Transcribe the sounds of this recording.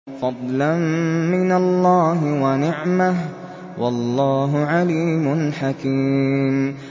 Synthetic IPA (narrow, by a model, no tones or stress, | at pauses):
fɑd̪ˤlanmɪnalːɑːɦɪwanɪʕmah | wɑlːɑːɦʊʕaliːmʊnħakiːm